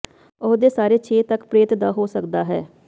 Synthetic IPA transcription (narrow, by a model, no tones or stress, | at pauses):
ʊɦd̪eːsaːɾeːt͡ʃʰeːt̪əkpɾeːt̪d̪aːɦoːsəkd̪aːɦɛː